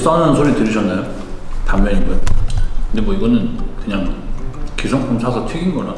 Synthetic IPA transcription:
s͈anɯnsʰoɾitɯɾiɕ̬ʰʌnːajo | tamːʌniɡʌkɯndemwʌiɡʌnɯnkɯɲaŋkesʰoŋkʰʌmt͡ɕʰasʰʌtʰiɡinɡʌla

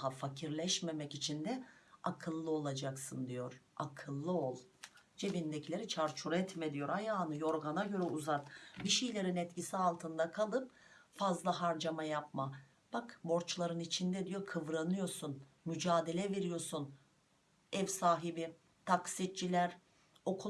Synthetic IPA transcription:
ɦafacʰiɾlʲɛʃme̞mɛcit͡ʃʰind̪ɛakʰɯlˠːɯo̞lˠad͡ʒaksɯnd̪ijo̞ɾ̥a̰kʰɯlˠːɯolˠd͡ʒe̞vind̪ecʰilʲeɾit͡ʃʰaɾt͡ʃʰuɾɛt̪mɛd̪ijo̞ɾajaːnɯjo̞ɾɡanaɟø̞ɾɛuzat̪biʃijlʲe̞ɾinɛt̪cisialˠt̪ʰɯnd̪akʰalˠɯp̚fazlˠaɦaɾd͡ʒamajap̚ma | b̥akbo̞ɾt͡ʃlˠaɾɯnit͡ʃʰind̪ɛd̪ijo̞kʰɯvɾanɯjo̞ɾsun | myd͡ʒaːd̪e̞lʲɛveɾijo̞sun | ɛvsaːɦibi | t̪ʰaksit̪̚t͡ʃʰilʲæɾ | o̞kʰu

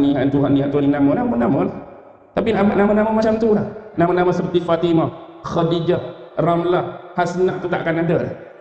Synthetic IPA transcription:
niɦant̪uɦanːiaʔt̪uninamənamənaməlah | t̪apinamənamənaməmat͡ʃamt̪ulahnamənaməsəpət̪ifat̪ima | xadid͡ʒahramlahhasənaʔt̪ut̪aʔakanadəla̰h

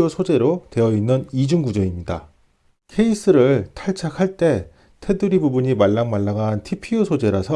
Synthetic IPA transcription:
osʰod͡ʑe̞ɾote̞ʌinːɯnid͡ʑuŋɡud͡ʑʌimɲida̰ | kʰe̞is͈ɯɾɯɭtʰaɭt͡ɕʰakʰaɭt͈e̞ | tʰe̞dɯɾibubuɲimaɭːaŋmaɭːaɡantʰipʰiosʰod͡ʑe̞ɾasʰʌ

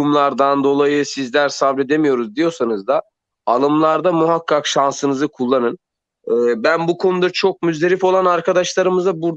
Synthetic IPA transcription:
umlˠaɾd̪and̪o̞lˠajɯsizlʲæɾsavlʲe̞d̪e̞mijo̞ɾuzd̪ijo̞sanɯzd̪a | alˠɯmlˠaɾd̪amuɦakʰːakʃansɯnɯzɯkʰulˠːanɯn | ɯːbænbukʰo̞nud̪at͡ʃʰo̞k̚myzd̪e̞ɾifo̞lˠanaɾkʰad̪aʃlˠaɾɯmɯzabuɾd̪

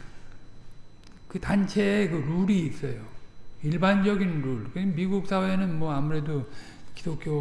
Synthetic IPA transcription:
kɯtant͡ɕʰe̞ːkɯɾuɾiːs͈ʌjoiɭband͡ʑʌɡinɾuɭkɯɲimiɡuk̚s͈ʰawe̞nɯnmwʌamuɾe̞do | kidok͈ʰjo

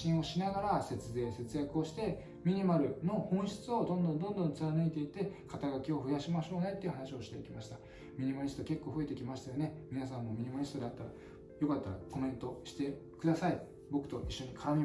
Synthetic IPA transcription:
ĩɰ̃o̞ɕinaɡaɾase̞t͡sɨze̞ːse̞t͡sɨjakɯo̞ɕi̥t̪e̞ | mʲiɲ̟imaɾɯ̟no̞hõ̞ɰ̃ɕi̥t͡sɨo̞d̪õ̞nd̪õ̞nd̪õ̞nd̪õ̞nt͡sɨɾanɯit̪e̞it̪e̞kʰat̪aɡakʲio̞ɸɯ̟jaɕimaɕo̞ːne̞t̪ːe̞iɯ̟hanaɕio̞ɕi̥t̪e̞ikʲimaɕi̥t̪a | mʲiɲ̟imaɾʲist̪o̞ke̞kːo̞ːɸɯ̟e̞t̪e̞kʲimaɕi̥t̪ajo̞ne̞mʲinas̬ãmːo̞mʲiɲ̟imaɾʲist̪o̞d̪eat̪ːaɾa | jo̞kat̪ːaɾa̰ko̞mẽ̞nt̪o̞ɕi̥t̪e̞ | kɯ̟d̪asai | bo̞kɯ̟̥t̪o̞ʔiɕːo̞ɲ̟ikʰaɾamʲi

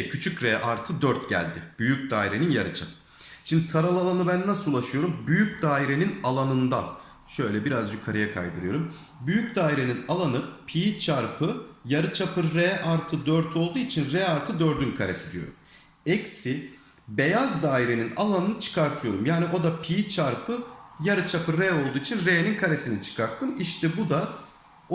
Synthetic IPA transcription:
cʰyt͡ʃʰycɾeʔaɾt̪ʰɯd̪øɾt̪ɟæ̰lʲd̪ɪb̥yjyc̚ʲd̪a̰ːiɾe̞ninjaɾɯt͡ʃʰa̰pʰɯ̥ | ʃimd̪it̪ʰaɾalˠalˠanɯbænːasɯulˠaʃɯjo̞ɾumbyjyc̚ʲd̪aːiɾe̞ninalˠanɯnd̪a̰n | ʃø̞jlʲɛbiɾazd͡ʒykʰːaɾajakʰa̰jd̪ɯɾɯjo̞ɾum | byjyc̚ʲd̪aːiɾe̞ninalˠanɯpʰiːt͡ʃʰaɾpʰɯjaɾɯt͡ʃʰapʰɯɾːɛʔaɾt̪ʰɯd̪øɾt̪ʰo̞lˠd̪uːit͡ʃʰinɾɛaɾt̪ʰɯd̪ø̞ɾd̪ynkʰaɾesid̪ijo̰ɾṵm | ɛcsi | be̞jazd̪aːiɾe̞nina̰lˠanɯnɯt͡ʃʰɯ̥kʰaɾt̪ʰɯjo̞ɾumjaːniʔo̞d̪apʰiːt͡ʃʰaɾpʰɯjaɾɯt͡ʃʰapɯɾːɛo̞lˠd̪uːit͡ʃʰinɾejeninkʰaɾe̞sinit͡ʃʰɯ̥kʰaɾt̪ʰːɯmiʃt̪ʰɛbud̪a | o

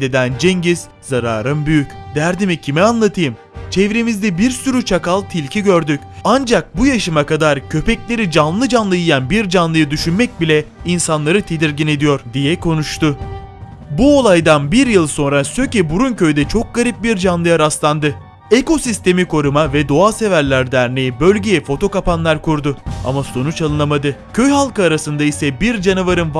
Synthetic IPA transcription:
d̪ed̪ænd͡ʒɛŋɟiz̥ | zaɾaːɾɯmbyjycd̪æɾd̪imicʰimɛanlˠat̪ʰɯjɯm | t͡ʃʰɛvɾemizd̪ɛbiɾsyɾyt͡ʃʰakalˠt̪ʰilʲcʰiɟø̞ɾd̪ycʲand͡ʒak̚bujaʃɯmakad̪aɾcʰø̞pɛclʲe̞ɾid͡ʒanlˠɯd͡ʒanlˠɯjijænbiɾd͡ʒanlˠɯjɯd̪yʃynmɛc̚bilʲɛinsanlˠaɾɯt̪ʰed̪iɾɟine̞d̪ijo̞ɾd̪ijɛkʰo̞nuʃt̪ʰʊ | buo̞lˠajd̪anbiɾjɯlˠso̞nɾasø̞cɛbuɾuncø̞jd̪ɛt͡ʃʰo̞k̚ɡaɾip̚biɾd͡ʒanlˠɯjaɾast̪lˠand̪ɯ | eko̞sist̪e̞mikʰo̞ɾumavɛd̪o̞aːse̞væɾlʲæɾd̪æɾnejibø̞lʲɟejɛfo̞t̪ʰo̞kapanlˠaɾkuɾd̪ʊa̰maso̞nut͡ʃalˠɯnamad̪ɯcʰø̞jɦalˠkɯːɾasɯnd̪aisɛbiɾd͡ʒanuvaɾɯn

